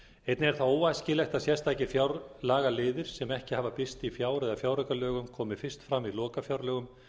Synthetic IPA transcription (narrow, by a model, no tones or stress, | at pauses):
ejt̪nɪɛɾ̥θaoːwajscɪlɛxt̪aðsjɛrst̪aːjcɪfjawɾlaːɣalɪːðɪɾ̥sɛmɛhcɪhaːvapɪst̪ifjaːwɾɛðafjaːwɾœkalœːɣʏmkʰɔːmɪfɪr̥st̪fɾamːilɔːkafjawɾlɛːɣʏm